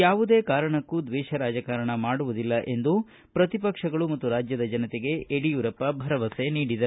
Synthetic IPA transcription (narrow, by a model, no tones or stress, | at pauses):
jaːʋud̪eːkaːɾɐɳɐkːud̪ʋɛːʃɐɾaːd͡ʒɐkaɾɐɳɐmaːɽuʋud̪ilːɐʔe̞nd̪u | pɾɐt̪ipɐkʂɐɡɐɭumɐt̪ːuɾaːd͡ʒjɐd̪ɐd͡ʒɐnɐt̪eɡe̞eɽijuɾɐpːɐbʱɐɾɐʋɐseniːɽid̪ɐ